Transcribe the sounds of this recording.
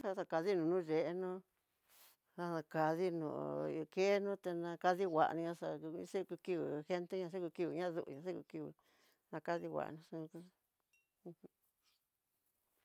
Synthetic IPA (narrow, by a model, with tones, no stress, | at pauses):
a˧ta˧˨ka˧ði˦nũ˨˧nũ˦ʐe˨ʔe˧˦nũ˦˧ | a˧nã˧ka˧ði˦nṵ̃˧˨˧ke˦nũ˦t̪e˧nã˧ka˧ði˦wʷa̰˨ʔnĩ˧ɲã˧ʂã̰˧˦se˦˧ku˧ki˧βi˨xe˦nt̪e˦ɲã˧s̬e˦ku˧ki˧βi˧˨ɲã˦˧ðṵ˧ʔṵ˧ɲã˧se˦kṵ˧ki˧βḭ˧ | nã˧ka˧ði˧wʷa̰˨nũ˧sũ˧kũ˧ | h